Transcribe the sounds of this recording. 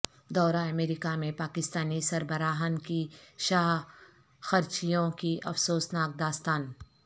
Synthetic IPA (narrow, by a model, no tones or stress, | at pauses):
d̪ɔːɾaɐmeːɾɪkamẽpaːkɪst̪aːnisɐɾbɐɾaːɦənkiʃaːɦ | xɐɾt͡ʃijõkiʔɐfsoːsnaːk̚d̪aːst̪aːn